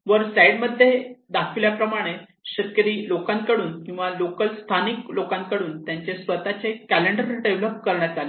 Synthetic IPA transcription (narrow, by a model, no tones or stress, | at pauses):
ʋəɾsajɽməd̪ʱːjed̪akʰiljapɾəmaɽ̃e | ɕət̪̚kəɾiːlokãnkəɽuːnkĩw̃ʋalokəlst̪ʰaniklokãnkəɽuːnt̪jãɲt͡ɕesʋət̪at͡sekæleɳɖəɾɖeʋləp̚kəɾɳjat̪ale